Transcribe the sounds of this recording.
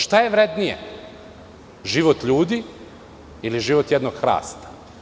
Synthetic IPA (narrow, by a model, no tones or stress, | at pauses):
ʃt̪ajeʋɾed̪nijḛ | ʒiʋot̪ʎuːd̪i | iliʒiʋot̪jed̪noɡxɾa̰ːst̪ḁ